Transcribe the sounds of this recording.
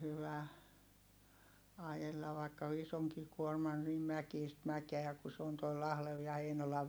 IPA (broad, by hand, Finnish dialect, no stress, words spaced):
hyʋæ ɑjelːɑ ʋɑikːɑ isoŋki kuormɑn nim mækiːst mækeæ ku se on toi lɑhleʋ jɑ heinolɑʋ